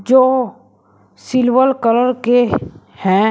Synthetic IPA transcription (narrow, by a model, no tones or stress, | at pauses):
d͡ʒoː | sɪlʋəlkələɾke | hɛ̃